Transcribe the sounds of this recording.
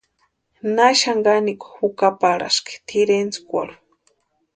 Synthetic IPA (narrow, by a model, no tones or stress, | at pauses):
naʃaŋɡaniku̥hukapaɾa̰ʃki̥t̪ʰiɾent͡skʷa̰ɽu̥